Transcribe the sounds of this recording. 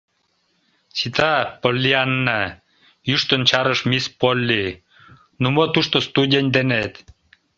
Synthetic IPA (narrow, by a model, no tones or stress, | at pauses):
sit̪ɑpolʲːianːɑ | jyʃt̪ənt͡ɕɑɾəʃmispolʲːi | numot̪uʃt̪ost̪udʲenʲd̪enet̪